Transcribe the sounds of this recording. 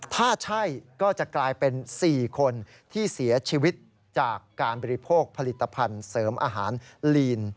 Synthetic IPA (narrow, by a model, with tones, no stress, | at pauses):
t̪ʰaː˥˩t͡ɕʰa˥˩jkɔː˥˩t͡ɕa˨˩ʔklaː˧jpe˧nsiː˨˩kʰo˧n | t̪ʰiː˥˩si˩˦ɐt͡ɕʰiː˧wi˦˥t̪̚ | t͡ɕaː˨˩kːaː˧nbɔː˧ɾi˦pʰoː˥˩k̚pʰa˧li˨˩t̪ʰːa˧pʰa˧nsɤː˩˦mʔa̰ː˧ɦaː˩˦nliː˧n